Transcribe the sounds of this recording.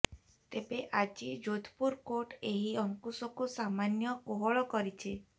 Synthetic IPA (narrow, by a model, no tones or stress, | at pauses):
t̪ebeʔad͡ʒid͡ʒod̪ʱʰpuɾkoʈeɦiɔŋkusɔkusamanjɔkoɦɔɭɔkɔɾit͡ʃʰe